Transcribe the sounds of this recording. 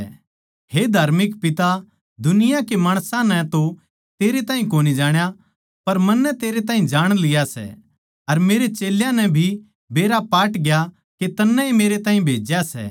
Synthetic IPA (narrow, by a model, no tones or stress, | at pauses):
hed̪ʱaːɾmɪkpɪt̪a | d̪ʱʊnɪjakemaːɽ̃sãnɛt̪o | t̪eːɾet̪ãːɦĩkoːnid͡ʒaːɽ̃ja | pɐɾmɐnːɛt̪eːɾet̪̬aːɦĩd͡ʒaːɽ̃lɪjasɛ̰ | ɐɾmeːɾet͡ʃeːljãnɛbʱi | beːɾapaːʈɡja | ket̪ɐnːɛ̃ɦimeːɾet̪ãːĩbʱeːd͡ʒjasɛ̰